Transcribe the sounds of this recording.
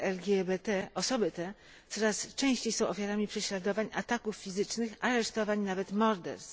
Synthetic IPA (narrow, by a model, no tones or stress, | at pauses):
ʔɛlɡʲjɛbɛt̪ɛɔsɔbɘt̪ɛ | t̪sɔɾast͡ʂɛ̃w̃ɕt͡ɕejsɔ̃w̃ʔɔfʲjaɾamʲipʂɛɕlad̪ɔvaɲat̪akufːʲizɘt͡ʂnɘxaɾɛʂt̪ɔvaɲnavɛt̪mɔɾd̪ɛ̰ɾs